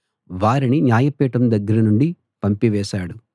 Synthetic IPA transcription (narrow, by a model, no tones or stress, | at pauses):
ʋaːɾininjaːjɐpɛːʈɐmd̪ɐɡːɐɾɐnuɳɖi | pɐmpiʋɛːʃaːɽu